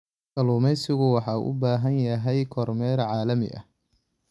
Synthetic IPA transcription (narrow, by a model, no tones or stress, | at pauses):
kɐluːmɛjsɪɣʊwɑħɑ̰ːʔʊ̰baːɦɐnjɐɦɛjkʰɔrmɛːɾʕɑːlɐmɪ̰ʔɐ̰